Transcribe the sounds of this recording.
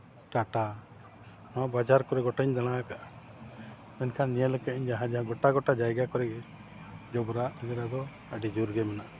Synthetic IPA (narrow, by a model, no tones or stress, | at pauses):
ʈaʈa | nɔ̃bad͡ʒaɾkɔɾɛɡɔʈaɲd̪aɽ̃aakaʔ | mɛnkʰanːijələkɛiɲd͡ʒaɦãd͡ʒaãɡɔʈaɡɔʈad͡ʒajɡakɔɾɛ | d͡ʒɔbɾaɡɛɾad̪ɔ | əɖid͡ʒuɾɡɛmɛnaʔ